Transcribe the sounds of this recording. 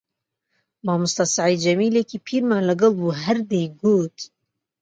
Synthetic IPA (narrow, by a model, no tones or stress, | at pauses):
mɑːmʊst̪ɑsaʕiːd͡ʒɐmiːlekiːpʰiːɾmaːnləɡɛlbuːɦɛɾd̪ejɡoːt̪